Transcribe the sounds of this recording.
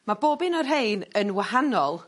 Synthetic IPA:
maboːbɪnɔrɦejnənwahanɔlˠ

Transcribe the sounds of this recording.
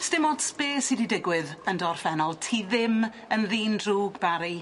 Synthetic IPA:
stɪmɔd̥speːsididɪɡwɪðəndɔr̥fɛnɔlˠtʰiðɪm | ənðiːndruːɡbaɾi

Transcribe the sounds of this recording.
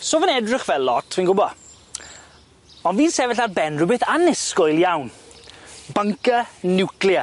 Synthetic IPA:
soːvənɛdrɪχvɛlˠːɔtʰviːnɡʊbɔ | ɔnviːnsɛvɛɬarbɛnrʊbɪθanɪskɔjlˠjawn | bəŋkənɪwklja

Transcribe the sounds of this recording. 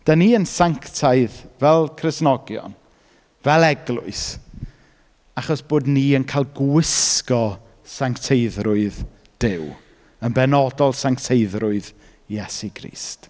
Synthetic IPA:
d̥aniːənsaŋktʰaɨðvɛlˠkʰrɪsnɔɡjɔ̰n | vɛlˠɛɡlˠʊ̰ɨs | aχɔsb̥oːdniːənkʰajlˠɡwɪskɔ | saŋktʰejðrʊɨð | d̥ɪw | ənbɛnɔdɔlˠsaŋktʰejðrʊɨð | jɛsikʰrḭːst

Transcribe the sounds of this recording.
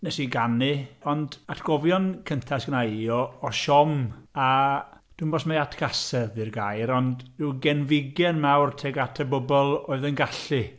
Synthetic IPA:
nɛsiɡanɨɔndatʰɡ̥ɔvjɔnkʰəntʰasɡ̥ənaiɔːʃɔma | d̥umbɔsmejatʰkʰasɛðirɡajɾɔndduwɡɛnvɪɡjɛnmawrtʰɛɡatʰəbɔbɔlˠoːɨðənɡaɬɨ

